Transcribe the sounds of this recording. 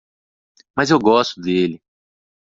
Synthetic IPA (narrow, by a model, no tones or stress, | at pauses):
mɐzewɡɔst̪ʊd̪elɪ